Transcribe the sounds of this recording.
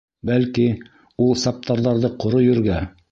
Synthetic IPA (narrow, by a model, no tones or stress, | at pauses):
bælki | ulˠsɑp̚t̪ʰɑɾðɑɾðɤqŏɾojɵ̆ɾɡæ